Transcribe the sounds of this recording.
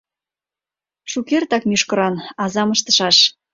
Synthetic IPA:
ʃukert̪ɑkmyʃkɤ̆ɾɑnɑzɑməʃt̪ə̥̆ʃɑʃ

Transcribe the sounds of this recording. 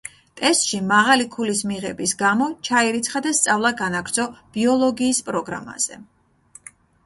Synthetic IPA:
t̪ʼɛst̪ʼʃimaʁalikʰulismiʁɛbisɡamɔt͡ʃʰaiɾit̪sʰχad̪ast̪sʼavlˠaɡanaɡɾd̪zɔb̥iɔlˠɔɡiːspʼɾɔɡɾa̰ma̰z̥ɛ̰

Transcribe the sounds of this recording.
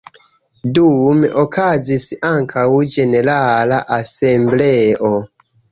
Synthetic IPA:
dumʔokʰazisaŋkʰawd͡ʒe̞ne̞ɾalaʔasembleʔo

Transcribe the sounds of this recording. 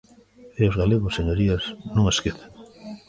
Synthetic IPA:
eozɣaleɣʊseɲoɾiasnũŋeskeθe̥ŋ

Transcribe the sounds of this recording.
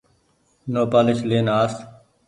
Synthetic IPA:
noːpaːlɪʃleːnaːs

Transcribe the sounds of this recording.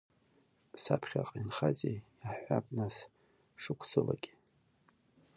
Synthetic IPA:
sapʰχʲaqʼinχat͡sʼeaħʷapʼnas | ʂɨkʷʰsʰɨlaɡʲʼi

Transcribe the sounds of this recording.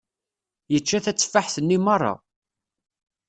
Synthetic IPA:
jət͡ʃːæθæt͡sːfːaħθənːimərˤːɑ̰

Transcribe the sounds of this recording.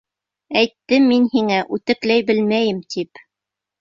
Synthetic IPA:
æjt̪ːɘmːinhiŋæʔʉt̪ɘ̆klæjbɘlmæjɘmt̪ip

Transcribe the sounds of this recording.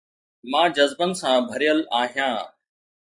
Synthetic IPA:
mãːd͡ʑəzbənɪ̆sãːbʱəɾijəlaːɦijãː

